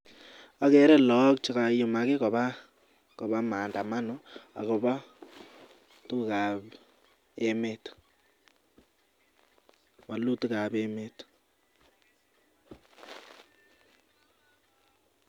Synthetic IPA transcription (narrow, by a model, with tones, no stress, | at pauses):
a˦kɛ˨˦ɾɛ˦lɔ˨˦k̚t͡ʃi˦ka˨jʊ˨ma˨ke˦kɔ˨ba˦ | kɔ˨ba˦maː˨nda˨ma˦nʊ˦a̰˨ko˨ba˦ | tu˦˨ka˨p | e˦me˦t | ma˨lu˦tu˦ka˨be˦me˦t